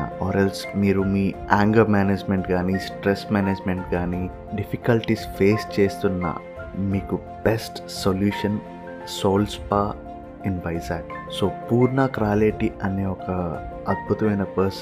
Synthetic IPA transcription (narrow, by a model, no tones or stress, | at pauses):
ɔːɾelsmiːɾumiː | aːŋɡɐmaːneːd͡ʒmeɳʈɡaːnisʈɾesmaːned͡ʒmeɳʈɡaːni | ɖipʰikɐlʈispeːst͡ʃeːst̪unːɐ̰ | miːku | b̥esʈsoljuːʂɐn | soːlspaː | inbɐjsaːksoːpuːɾnɐkɾaːleːʈiɐneːɔkɐɐd̪̚bʱut̪ɐmɐjnɐpɐɾs